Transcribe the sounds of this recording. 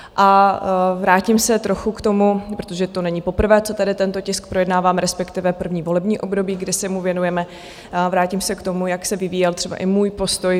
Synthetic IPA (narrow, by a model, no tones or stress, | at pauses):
ʔa | vɾaːcɪmsɛt̪ɾo̞xukt̪o̞mupɾot̪oʒɛt̪onɛɲɪpo̞pr̩vɛːt͡sot̪adɪt̪ɛnt̪ocɪsk̚pɾo̞jɛdnaːvaːmɾɛspɛkt̪ɪvɛpr̩vɲiːvo̞lɛbɲiːʔobdo̞biːɡdɪsɛmuvjɛnujɛmɛ | vɾaːcɪmsɛkt̪o̞mujaksɛvɪviːjɛlt̪r̥ɛba̰ʔɪmuːjpo̞st̪o̞j